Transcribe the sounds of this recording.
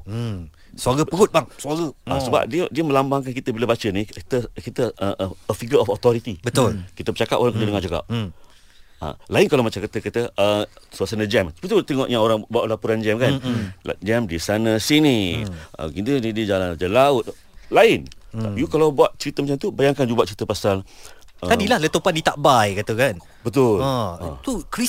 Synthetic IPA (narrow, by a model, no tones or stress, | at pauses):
saɡəpəɡʊt̪̚baŋsaɡəasəba̰p̚diədiəmə̃lambaŋkankit̪əbiləbat͡ʃəniit̪əkit̪əʔəʔəəfiɡəɔfɔt̪ɔɾit̪ibət̪ʊlkit̪əbət͡ʃakap̚ʔoɾaŋkədədəŋand͡ʒaka̰p̚ | a̰laɪnkalawmat͡ʃamkət̪əkət̪əəsuasanəd͡ʒɛmbət̪ut̪əŋɔʔɲaoɾaŋbuaʔlapuɾand͡ʒɛmkan̰d͡ʒɛmdisanãsiniə̰ɡint̪unidid͡ʒaland͡ʒəlaʊt̪̚ | laɪnajukalawbuaʔ̪̚t͡ʃəɾit̪əmat͡ʃamt̪ubajaŋkand͡ʒubuaʔ̪̚t͡ʃəɾit̪əpasal | ət̪adilahlət̪əpandit̪aʔbajkat̪akan | bət̪ʊlt̪uki